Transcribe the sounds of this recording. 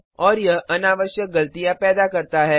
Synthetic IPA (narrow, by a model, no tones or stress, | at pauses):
ɔːɾjɐɦɐnaːʋəʃjək̚ɡɐlt̪ijapɛːd̪akɐɾt̪aɦɛː